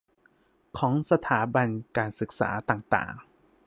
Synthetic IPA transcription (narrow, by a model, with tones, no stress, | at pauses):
kʰɔː˩˦ŋsa˧t̪ʰaː˩˦ba˧nkaː˨˩nsɯ˨˩k̚sa̰ː˩˦t̪aː˨˩ŋt̪a̰ː˨˩ŋ